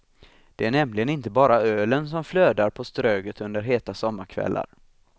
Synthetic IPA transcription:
d̪̥ɛæɳɛmlɪɡənɪnt̪əbɑːɾaøːləns̬ɔmfløːd̪aɾpʰɔst̪ɾøːɡət̪ɵnd̪əɾɦeːt̪asɔmːaɾkʰvɛ̰lːʔa̰ɾ

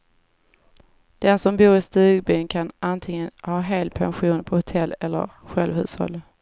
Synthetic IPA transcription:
d̪̥ɛnsɔmbuːɾɪst̪ʉ̟ːɡbyːnkʰanʔant̪ʰɪŋənhɑːɦeːlpʰa̰nɧuːnpʰɔhʊt̪ʰɛlːɛlːə̰ɾɧɛlvhʉ̟ːshɔ̰lː

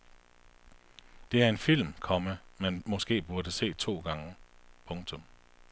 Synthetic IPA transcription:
d̥e̝æɐe̝nfil̰mkʰɒ̽məmænmɒ̽sɡ̥e̝̰ːb̥uɐd̥əse̝̰ːt͡sʰo̝̰ːɡ̥ɑ̈ŋəpʰɔ̽ŋt͡sʰɔ̽m

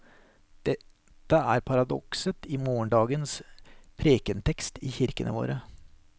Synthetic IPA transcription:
ɛ | t̪ːəæɾpʰɑɾɑd̪ɔ̰ksət̪ɪmoːəɳɖɑːɡənspʰɾeːkənt̪ʰɛkst̪ɪçɪɾkənə̰ʋo̰ːɾə

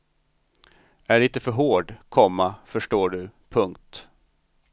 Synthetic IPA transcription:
æɭiːt̪əfœɾɦoːɖkʰɔmːafœʂʈoːɖɵpʰɵŋk̚t̪

